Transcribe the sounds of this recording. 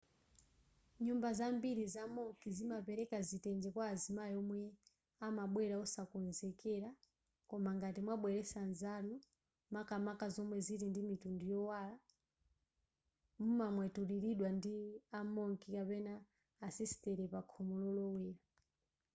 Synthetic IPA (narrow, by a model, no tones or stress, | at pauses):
ɲumbazambiɾizamɔŋkizimapɛɾɛkazitɛnd͡ʒɛkwaːzimajɔmwɛ | amaɓwɛɾaɔsakɔnzɛkɛɾa | kɔmaŋɡatimwaɓwɛɾɛsanzanu | makamakazɔmwɛzitindimitundujɔwala | mumamwɛtuɾiɾiɗwandiamɔŋkikapɛnaː | sisi̥tɛɾɛpakʰɔmɔlɔlɔwɛːɾa